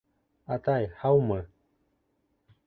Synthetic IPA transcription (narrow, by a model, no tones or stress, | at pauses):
at̪ajhaumə̃